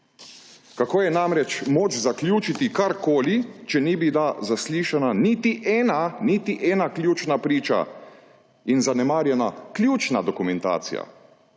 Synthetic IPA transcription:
kakoːjɛnaːmɾɛt͡ʃmoːt͡ʃzaklʲjuːt͡ʃit̪ikaɾkoːlit͡ʃɛnibilazasliːʃananit̪iʔɛːnanit̪iʔɛːnaklʲjuːt͡ʃnapɾiːt͡ʃa̰ | inzanɛmaːɾjɛnaklʲjuːt͡ʃnad̪ɔkumɛnt̪a̰ːt̪sḭja̰

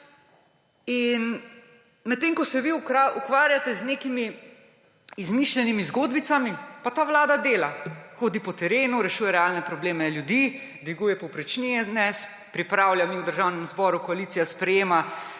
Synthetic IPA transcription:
in | mɛt̪ːeːŋkɔsɛʋiuukʋaːɾjat̪ɛzneːkimi | izmiʃlɛnimizɡoːd̪bit̪samipat̪aːʋlaːd̪ad̪eːlaxoːd̪ipɔt̪ɛɾeːnuɾɛʃuːjɛɾɛalnɛpɾɔbleːmɛljud̪iːd̪ʋiɡuːjɛpɔwpɾɛt͡ʃnijɛnɛs | pɾipɾaːwljamiwd̪əɾʒawnɛmzbɔɾukɔaliːt̪sijaspɾɛjeːma

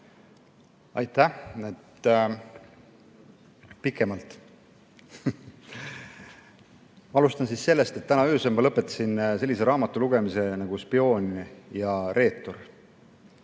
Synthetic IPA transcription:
ɑjt̪ːæhet̪ | pikːˑe̞mɑlt̪ˑ | mɑɑlust̪ɑnsiːsse̞lːe̞st̪e̞t̪ːænɑysemɑlɤpːet̪ːˑɑ̥sinse̞lːise̞ɾɑːmɑt̪ˑːuluɡ̥e̞mise̞nɑɡ̥uspio̞ːnʲjɑre̞ːt̪ːˑor

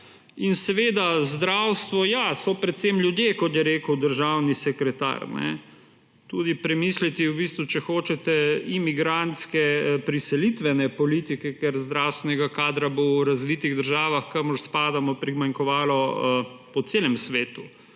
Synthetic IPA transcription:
insɛʋeːd̪azd̪ɾawst̪ʋɔjasɔpɾɛt̪semljud̪jekɔt̪jɛɾeːkəwd̪əɾʒawnisɛkɾɛt̪a̰ɾnɛ̰ | t̪uːd̪ipɾɛmislit̪iwbist̪ʋut͡ʃɛxoːt͡ʃɛt̪ɛimiɡɾant̪skɛpɾisɛlit̪ʋɛnɛpɔlit̪ikɛkɛɾzd̪ɾawst̪ʋɛnɛɡakaːd̪ɾabowɾazʋit̪iɣd̪əɾʒaːʋaxkəmɔɾspaːd̪amɔpɾimaŋkɔʋaːlɔpɔt̪seːlɛmsʋeːt̪u

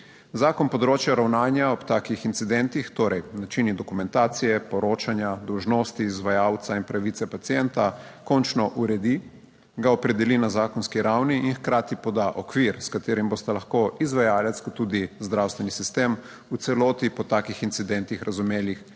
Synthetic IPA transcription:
zaːkɔnpɔd̪ɾoːt͡ʃjaɾawnaːnjaɔpt̪aːkixint̪sid̪ɛnt̪ixt̪oːɾɛjnat͡ʃinid̪ɔkumɛ̃nt̪aːt̪sijɛpɔɾoːt͡ʃanjad̪ɔwʒnɔːst̪iːzʋajawt̪sainpɾaʋit̪sɛpat̪sijɛnt̪a | kɔnt͡ʃnɔʔuɾɛd̪i | ɡaɔpɾɛd̪ɛlinazaːkɔnskiɾawniinxkɾaːt̪ipɔd̪aʔɔkʋiɾskat̪eːɾimboːst̪alɐxkoizʋajaːlɛt̪skɔt̪ːud̪izd̪ɾawst̪ʋɛnisist̪em | ut̪sɛloːt̪ipɔt̪aːkixint̪sid̪ɛnt̪ixɾʔazumeːlix

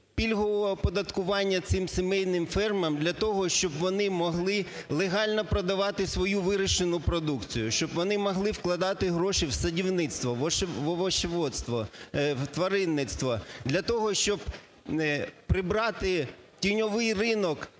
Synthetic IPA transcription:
pʲilʲɦɔʋɔɔpɔd̪ɐt̪kʊʋɑnʲːɐt̪sɪmsemɛjnɪmfɛrmɐmd̪lʲɐt̪ɔɦɔʃt͡ʃɔbʋɔnɪmɔɦlˠɪ | lˠeɦɑlʲnɔpɾɔd̪ɐʋɑt̪ɪsʋɔjuʋɪɾɪʃenʊpɾɔd̪ukt͡sʲijʊʃt͡ʃɔbʋɔnɪmɔɦlˠɪwklˠɐd̪ɑt̪ɪɦɾɔʃiwsɐdʲiwnɪt̪st̪ʋɔʋɔʃʋɔʋɔʃeʋɔt̪st̪ʋɔt̪ʋɐɾɪnːɪt̪st̪ʋɔd̪lʲɐt̪ɔɦɔʃt͡ʃɔb | pɾɪbɾɑt̪ɪ | tʲijnʲɔʋɪjrɪnɔk

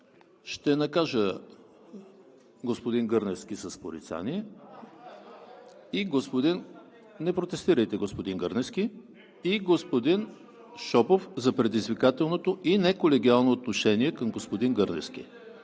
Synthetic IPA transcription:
ʃt̪ɛnɐkaʒə | ɡospod̪inɡɤɾnɛsk̟isɐspoɾḭt̪sa̰niɛ | iɡospod̪in | nɛpɾot̪ɛst̪iɾəjt̪ɛɡospod̪iŋɡɤɾnɛskʲi | iɡospod̪in | ʃɔpofzɐpɾɛd̪izvikat̪ɛlˠnot̪oʔinɛkolɛɡʲialˠnoːt̪noʃɛniɛkɐmɡospod̪inɡɤɾnɛ̰skʲḭ

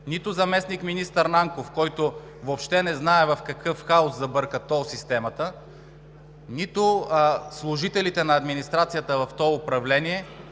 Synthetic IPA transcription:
nit̪ʊzɐmɛsnikminist̪əɾnaŋkofkɔjt̪ʊ | vopʃt̪ɛnɛznaɛvɐfkɐkɤfxaʊszɐbɤɾkət̪ɔsist̪ɛmɐt̪ə | nit̪ʊslˠʊʒit̪ɛlit̪ɛnɐːd̪minist̪ɾat̪sijət̪əvɐft̪ɔʊpɾɐvlɛniɛ

